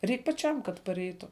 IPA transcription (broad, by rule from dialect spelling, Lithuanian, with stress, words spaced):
ˈrʲɛɪk pɐˈt͡ʃʲɛm kɐt pɐˈrʲɛɪtʊ